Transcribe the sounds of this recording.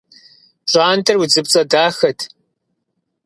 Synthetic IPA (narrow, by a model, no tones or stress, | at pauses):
ɕʷʼaːntʰɐrwud͡zɨp̚t͡sʼɐdaːxɐtʰ